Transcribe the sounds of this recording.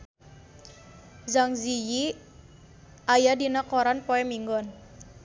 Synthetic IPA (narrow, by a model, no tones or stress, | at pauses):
zaŋziji | ajadinakɔɾanpɔɛmiŋɡɔn